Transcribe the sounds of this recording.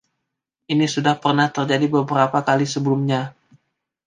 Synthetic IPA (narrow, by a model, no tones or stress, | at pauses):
ʔinisudahpərnaht̪ərd͡ʒadibəbəɾapakalisəbəlʊmɲa